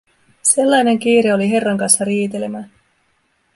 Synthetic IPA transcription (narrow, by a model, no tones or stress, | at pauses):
se̞lːɑjne̞ŋk̟iːɾeo̞liɦe̞rːɑŋkɑnsːɑɾiːt̪e̞lemæ